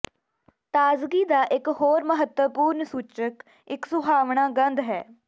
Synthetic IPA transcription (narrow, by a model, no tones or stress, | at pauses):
t̪aːzɡiːd̪aːʔɪkɦoːɾməɦət̪wəpuːɾnsuːt͡ʃək | ɪksʊbʱaːʋɳaːɡənd̪ɦɛ̰ː